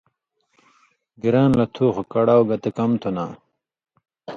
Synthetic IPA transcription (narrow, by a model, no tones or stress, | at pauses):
ɡiɾaːnlɐt̪ʰuːxukɐɽawɡɐt̪ekɐmt̪ʰuna̰ː